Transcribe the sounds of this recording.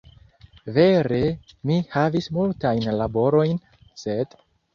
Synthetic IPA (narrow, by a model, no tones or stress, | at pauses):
ve̞ɾe̞mihavismultajnlabo̞ɾo̞jn | sed̥